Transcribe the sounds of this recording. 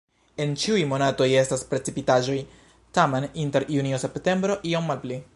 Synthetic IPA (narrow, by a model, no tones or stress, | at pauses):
e̞nt͡ʃiujmo̞nato̞je̞staspɾe̞t͡sipitaʒo̞j | tame̞ninte̞ɾjuniose̞pte̞mbɾo̞ʔio̞mːalpli